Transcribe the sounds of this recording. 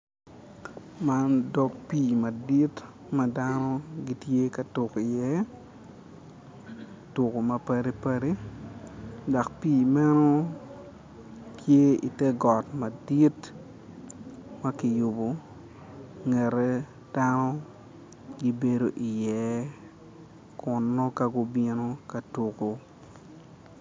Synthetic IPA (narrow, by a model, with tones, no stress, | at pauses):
ma˦ndɔ˦kpiː˨ma˨di˦t | ma˦da˦nɔ˦ɡi˦tje˦ka˨tʊ˨ki˨jɛ˦ | tʊ˨ko˨mɐ˨pɐ˦ɾi˦pɐ˦ɾe˦ | da˨kpiː˦˨mɛ˦no˦ | tʰje˦ḭ˨tɛ˦ɡɔ˨tma˨di˦t | ma˦kɪ˨jʊ˨bo˨ | ŋɛ˨ɾɛ˦ | d̥a˦nɔ˦ | ɡi˦be˦do˨ʔi˨jɛ˨˦ | kʊ˨nːo˦ka˦ɡʊ˦bi˦no˦ka˨tu˨ko˨